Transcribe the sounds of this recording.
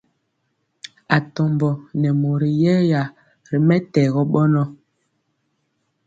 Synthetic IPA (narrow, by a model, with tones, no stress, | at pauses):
a˨tɔ˨mbɔ˨nɛ˨mo˨ɾi˨jɛ˦ja˨ | ɾi˨mɛ˦tɛ˨ɣɔ˦ɓɔ˦nɔ˦